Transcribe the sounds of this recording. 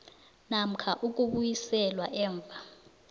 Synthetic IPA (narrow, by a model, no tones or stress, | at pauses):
nam̩kʰaʔuk̬ʼuɓujisɛlwaʔɛːɱb̪vʱa